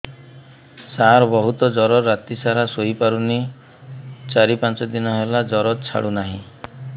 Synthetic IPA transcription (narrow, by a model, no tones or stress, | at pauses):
saɾɔbɔɦut̪ɔd͡ʒɔɾɔɾːat̪isaɾasoipaɾuni | t͡ʃaɾipãnt͡ʃɔd̪inɔɦelad͡ʒɔɾɔt̪t͡ʃʰa̰ɽunaɦḭ̃